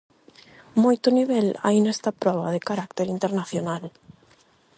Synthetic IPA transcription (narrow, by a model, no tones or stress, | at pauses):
mojt̪ʊniβ̞ɛla̰jnɛst̪ɐpɾɔβɐðɪkaɾakt̪eɾint̪eɾnaθjonal